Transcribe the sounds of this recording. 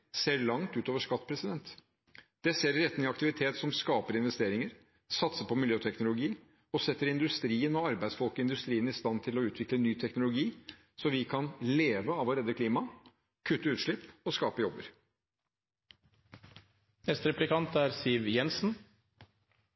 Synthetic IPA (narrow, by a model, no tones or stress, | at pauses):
seːɭɑŋt̪ʉːt̪oːʋəʂkɑt̪ːpʰɾɛsɪd̪ɛnt̪ | d̪̥ɛseːɾɪɾɛt̪ːnɪɑkt̪ɪʋɪt̪ʰeːt̪sɔmskɑːpəɾɪnʋɛst̪eːɾɪŋəɾ | sɑt̪səpʰɔmɪljøːt̪ʰɛknʊlʊɡiː | ɔsɛt̪ːəɾɪnd̪ʉst̪ɾiːənɔɑɾbæɪd̪sfɔlkɔɪnd̪ʉst̪ɾiːənɪst̪ɑnt̪ʰɪlɔʉːt̪ʰʋɪklənyːt̪ʰɛknʊlʊɡiː | sɔʋɪkʰɑnleːʋəɑʋlɾeːd̪ːəkʰliːmɑ | kʰʉt̪ːəʉːt̪ʂlɪpːɔskɑːpəjɔbːəɾ | nɛst̪ɾɛplɪkɑnt̪æːɾsiʋjɛnsn̩